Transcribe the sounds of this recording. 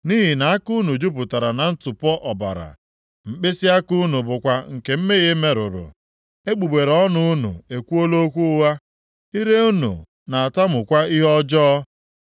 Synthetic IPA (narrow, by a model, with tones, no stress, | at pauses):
niː˦ɦi˨na˨a˦ku˦nu˨d͡ʒu˦p̬ʊ˨ta˨ɾa˨na˨n̩˦tʊ˨pɔ˦ʔɔ˨ba̰˨ɾa̰˨ | m̩˨k͡pɪ˦sɪ˦a˦ku˦nu˨bʊ˨kʷa˨ŋ̩˨ke˨m̩˦me˦ɣe˦me˨ɾʊ̰˨ɾʊ̰˨ | e˦ɡ͡bu˨ɡ͡be˨ɾɔ˦nʊ˦u˦nṵ˨e˨kʷu˦o˦lo˦kʷu˦wa˦ | i˦ɾe˦u˦nṵ˨ | na˨a˨ta˦mʊ˨kʷa˦i˦ɦɔ˦d͡ʒɔː˦